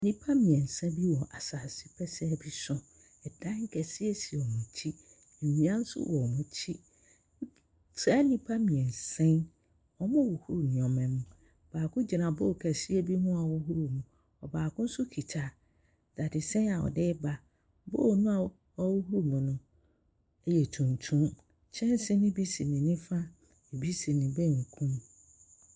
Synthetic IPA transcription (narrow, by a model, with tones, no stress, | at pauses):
nĩ˦pʰa˦mĩ˨ɛ̃˨n̩˨sɛ̃˦bi˦wɔ˨ʔa˨saː˨si˦pʰɛ˦sɛ˦˨bi˦sʊ̃˦ | ɛ˨dã˦ŋ̩˦kʰɛ˨si˦ɛ˦si˨ɔ˨mũ˨tʰi˦ | e˨mĩ˨˦ã˦n̩˦sʊ̰˦wɔ˨mũ˦tʰi˦ | tʰɾa˨˦nĩ˦pʰa˦mĩ˨ɛ̃˨n̩˨sɛ̃˦n | ɔ˦mɔ̃˦wo˨hu˦ɾu˨ñ˨ɔ̃˨mɛ̃˨mũ˨ | b̥aː˨kʰʊ̃˦d͡ʑi˨nã˨bo˦˨kʰɛ˨si˦ɛ˦bi˦hũ˦a˨wɔ˦hu˦ɾu˦mũ˨ | ɔ˨baː˨kʰʊ̃˦n̩˦sʊ˦kʰi˨tʰa˦ | d̥a˨dɪ˨sɛ̃˦a˨wɔ̰˨dɪ˦ba˦ | bo˦˨nʊ̃˦a˨ | ɔ˦wo˦ɦu˦u˦˨mũ˨nʊ̃˦ | jɛ˨tʰũ˨ntʰũ˦m | t͡ɕʰɛ̃˦n˦sɪ˦nɪ̃˦bi˦si˨nɪ̃˨nɪ̃˦fa˦ | e˨bi˦si˨nɪ̃˨bɛ̃˦˨ŋ̩˨kʰũ˦m